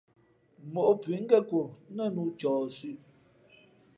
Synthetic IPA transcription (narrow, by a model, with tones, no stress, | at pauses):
mo˨ʔo˦pɥi˨˦ŋ̩˦ɡɛ˦ko˨˦nə˦˨nu˦t͡ʃɔː˨sʉ˦ʔ